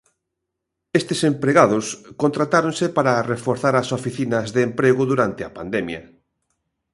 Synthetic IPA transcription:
est̪esempɾeɣaðʊskont̪ɾat̪aɾõnsepaɾarefoɾθaɾasofiθinɐzðeːmpɾeɣʊðuɾant̪ɪɐpand̪emjɐ̰

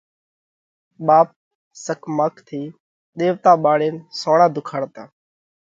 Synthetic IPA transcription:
ɓaːp̚ | səkmaːkʰt̪ʰiː | ɗ̪eːʋt̪aːɓaːɽeːnsoːɳ̃ãːd̪ʱʊkʰaːɽt̪aː

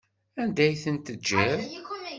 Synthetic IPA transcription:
ænd̪æjθənt̪əd͡ʒːæɾ

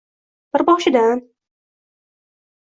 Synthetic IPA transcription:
b̥ɪɾbɒʃɪd̪an

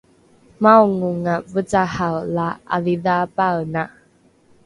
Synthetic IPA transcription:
mawŋuŋavət͡sahawlaa̰viðapawna

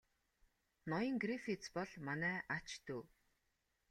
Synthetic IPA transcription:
nɔjə̆ŋɡrifit͡spɔɮmanæːʔat͡ɕt̪uː

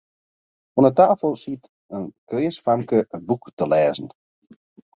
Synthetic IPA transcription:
ɔnətaːfəlˠsit | ənkrɪːsfamkəbuktəlɛːzn̩

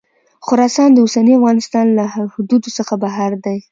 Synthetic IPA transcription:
xʊɾɑsɑnd̪əusaniafɣɑnɪst̪ɑnlahhʊd̪ud̪osəxabaɦaɾd̪aj

